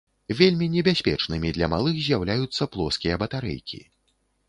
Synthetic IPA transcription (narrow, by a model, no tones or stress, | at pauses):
vʲelʲmʲinʲɛbʲasʲpʲɛ̰t͡ʂnɨmʲid̪lʲɐmalˠɨxzʲjawlʲajut̪sːɐplˠɔskʲijɐbɐt̪aɾɛ̰jkʲḭ